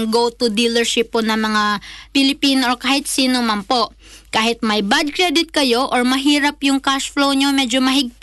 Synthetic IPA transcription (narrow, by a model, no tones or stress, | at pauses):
ŋɡowt̪ʊd̪ilɐɹʃɪpːonɐŋmɐŋapɪlɪpiːnoʔokaːhɪt̪̚siːnomɐnpo̞ʔ | kaːhɪt̪̚mɐjbad̪̚kɾɹɛd̪ɪt̪̚kɐjo̞ʔoɹmɐɦiːɾɐpjʊŋkaʃflowɲomɛd͡ʒomɐɦɪɡ̚